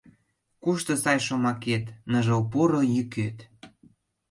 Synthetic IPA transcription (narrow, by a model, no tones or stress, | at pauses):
kuʃt̪ɤ̆sɑjʃomɑket̪nəʒɤwpuɾojyket̪